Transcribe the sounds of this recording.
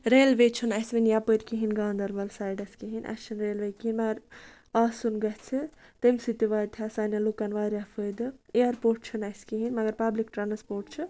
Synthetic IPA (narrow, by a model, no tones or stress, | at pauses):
ɾeːlʋet͡ʃʰunɐsʋɐnjapəɾʲkiɦinɡaːnd̪ɐɾʋɐlsaːjɖɐskiɦinʲʔɐ̰t͡ʃʰɐnɾeːlʋɐjkiɦinʲmɐɡɐɾ | aːsunɡɐt͡sʰɨt̪ɐmʲsit̪iʋaːt̪ʰasaːnjalukɐnʋaːɾʲjafʰəd̪ɨeɐɾpoːʈ̚t͡ʃʰɨnɐskiɦinmɐɡɐɾpɐblikʈɾanspoːɾʈt͡ʃʰɨ